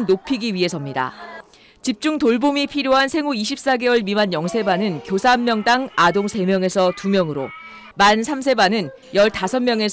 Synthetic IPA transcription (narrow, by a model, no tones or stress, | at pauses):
nnopʰiɡiɥiɦe̞sʰʌmɲida̰ | t͡ɕip̚t͡ɕ͈uŋtoɭbomipʰiɾjoɦansʰe̞ŋuiɕ̬ʰip̚s͈aɡe̞wʌɭmimanjʌŋsʰe̞banɯnkjosʰaɦammːjʌŋdaŋadoŋsʰe̞mjʌŋe̞sʰʌtumjʌŋɯɾo̰ | mansʰamsʰe̞banɯn | jʌɭtasʰʌnmjʌŋe̞s